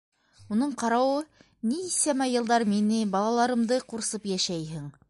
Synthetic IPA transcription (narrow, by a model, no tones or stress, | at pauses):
unɤɴqɑɾɑwɤ | niːsæmæjɤ̆lˠd̪ɑɾminɘbɑlˠɑlˠɑɾɤ̆md̪ɤquɾsɤpjæʃæjɦɘŋ